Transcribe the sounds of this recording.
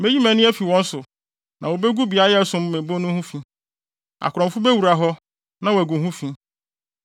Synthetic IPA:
me˦d͡ʑi˦mæ̃˨nɪ̃˦ɛ˦fi˨wɔ̃˦n̩˦sʊ˨ | nʔã˨wo˨be˦ɡu˦bi˨a˦ɛ˦a˨sʊ̃˦m˦mẽ˨bo˦nʊ̃˦hũ˦fĩ˦ | a̰˨kʰʊ˨ɾɔ̃˨fʊ˦be˦wu˨ɾa˨ɦɔ˦ | nã˦wæ˨ɡu˨ɦũ˦fĩ˦

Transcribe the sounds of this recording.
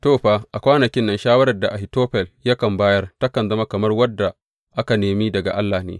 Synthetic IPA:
toː˦ɸaː˦ʔa˨kʷaː˦nɐ˨kʲɪ˦nːɐ˦nʃaː˦wɐ˦ɾɐ˨rda˨ʔa˨hɪ˨toː˦ɸɛ˨lja˦kɐ˨mbaː˦jɐ˦rta˦kɐ˨nzɐ˦ma˦kɐ˨mɐ˦rwɐ˦dːa˨ | ʔa˦ka˨neː˨miː˦dɐ˨ɡa̰˨ʔa˦lːaː˨nḛː˨

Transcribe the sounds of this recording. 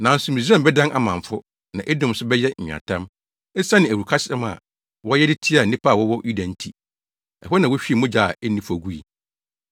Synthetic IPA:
nã˨n̩˦sʊ˨mĩ˨s̬ɛ̃˦m˨bɛ˦dã˦nʔa̰˨mã˨ɱ˨fʊ˦ | nã˨ʔe˦dʊ̃˦m˨sʊ˦bɛ˦jɛ˦ɲ̩̰̃ᶣ˨ã̰˨tʰã˦m | ɛ˦sa˦nɪ̃˨æ˨wu˨kʰa˦sɪ˦ɛ˦ma̰˨ | wɔ˦jɛ˦dɪ˦tʰi˦a˨nĩ˦pʰa˦˨wɔ˦wɔ˦ju˦dã˨n̩˦tʰi˨ | ɛ̰˨hɛ˦nã˨wʊ˦ɕᶣi˦˨mʊ̃˦d͡ʑa˨a˨ɛ˦nĩ˦fɔ˨ɡu˦i˨

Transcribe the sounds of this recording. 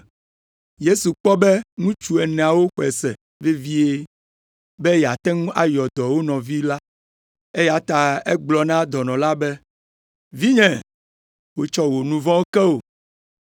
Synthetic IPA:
je˦su˨k͡pɔ˦bɛ˦ŋũ˦t͡ʃu˦ɛ˨nɛ̃˨a˨wo˦xɛ˨sɛ˨ | ve˦vi˦e˦ | bɛ˦jɛ˨a˨t̪ɛ̃˦ŋũ˦ʔa˨jɔ˨d̪ɔ˨wo˦nɔ̃˨vi˦la˦ | e˦ja˨t̪a˨e˦ɡ͡blɔ˨nã˦d̪ɔ˨nɔ̃˨la˦bɛ˦ | vi˦ɲɛ̃˨ | wo˦t͡ʃɔ˦wo˨nũ˦vɔ̃˦kɛ˦o˨

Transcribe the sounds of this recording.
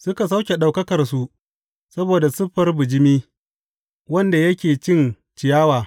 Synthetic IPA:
sʊ˦ka˨sa˦wkʲe˨ɗa˨wkɐ˦kɐ˨rsu˨ʔ | sɐ˦boː˨da˨sʊ˦ɸɐ˦rbʊ˨d͡ʒɪ˦miː˦ | wɐ˦nda˨jɐ˦kʲeː˨t͡ʃɪ˦n | t͡ʃɪ˨jaː˦waː˨

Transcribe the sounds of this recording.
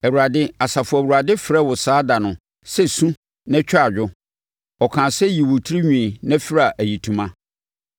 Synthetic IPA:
ɛ˨wu˨a˨dɪ˦a˨sa˨fʊ˨æ˨wu˨a˨dɪ˦fɪ˨ɾɛ˦wʊ˨saː˦da˨nʊ̃˨ | sɛ˦sũ˦ | nɛ̃˦t͡ɕᶣa˨d͡ʑᶣʊ˦ | ɔ˨kʰã˨sɛ˦ji˨wʊ˨tʰi˦ɾi˦ɲᶣĩ˨nɛ̃˦fɪ˦ɾa˨ʔæ˨ji˨tʰũ˨mã˦

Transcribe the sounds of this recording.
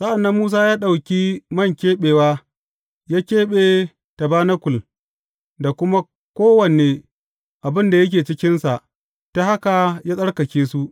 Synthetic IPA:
sa˦ʔa˨nːɐ˦mːuː˦s̬aː˦jaː˦ɗa˨wkʲi˦mɐ˦˨ŋkʲeː˦ɓeː˨waː˦ | jaː˦kʲeː˦ɓeː˨ | ta˨baː˦na˦kʷʊ˨l | da˨kʷʊ˦ma˦ | kʷoː˦wɐ˨neː˨ | ʔa˨bɪ˦nda˨jɐ˦k̬ʲeː˨t͡ʃɪ˦kʲɪ˦nsa˨ʔ | ta˦ha˦ka˨jaː˦sʼɐ˦ɽkɐ˨kʲeː˦su˦ʔ

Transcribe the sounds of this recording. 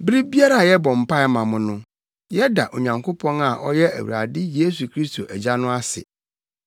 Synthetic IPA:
bɾi˦bi˦a˦ɾa˨jɛ˦bɔ̃˨m̩˨pa˦ɪ˦mã˨mʊ̃˨nʊ̃˦ | jɛ˦da˨ʔo˨ɲã˨ŋkʰo˦pʰɔ̃˦na˨ʔɔ˦jɛ˦ʔæ̰˨wṵ˨ɾa̰˨dɪ˦je˦s̬u˨kʰɾi˦stʰo̰˨ʔæ˨d͡ʑa˦nʊ̃˦a˦sɪ̰˨

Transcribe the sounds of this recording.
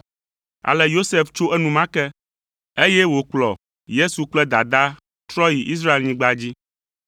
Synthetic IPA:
a̰˨lɛ˨jo˦se˨ft͡ʃo˦ʔɛ˦nũ˨mã˦kɛ˦ | e˦jɛ˦wo˨k͡plɔ̰˨ | je˦su˨k͡plɛ˦d̪a˨d̪a˦ | t̪ɾɔ˦ji˨ʔi˦s̬ɾa˦e˨lɲĩ˦ɡ͡ba˦d͡ʑi˦

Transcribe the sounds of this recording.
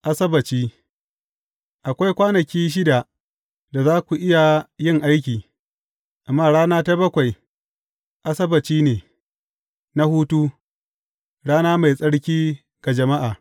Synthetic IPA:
ʔa˨sɐ˦bɐ˨t͡ʃiː˦ | ʔa˨kʷa˦jkʷaː˦nɐ˨kʲiː˦ʃ̬ɪ˦da˨ | da˨zaː˦kʷu˨ʔɪ˦ja˨jɪ˦ŋʔa˦jk̬ʲiː˨ | ʔa˨mːaː˦˨ɽaː˦naː˦ta˦bɐ˦kʷa˨j | ʔa˦sɐ˦bɐ˨t͡ʃiː˦neː˨ | na˦huː˦tu˦ | ɽaː˦naː˦ma˨jsʼɐ˦ɽkʲiː˦ | ɡ̥a˨d͡ʒɐ˨ma˦ʔaː˨

